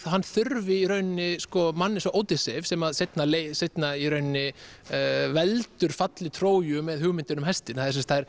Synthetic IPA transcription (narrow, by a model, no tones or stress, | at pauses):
hanːθʏɾvɪiɾœɥnnːɪskɔmanːɪsɔʔoːwt̪ɪsɛvsɛmaðsejt̪nalejsejt̪naiɾœɥnnːɪ | vɛlt̪ʏɾ̥fat̪lɪt̪ʰɾoːwjʏmɛðhʏɣmɪnt̪ɪnʏmɦɛst̪ɪnhaðɪɾs̬ɛmst̪hajɾ̥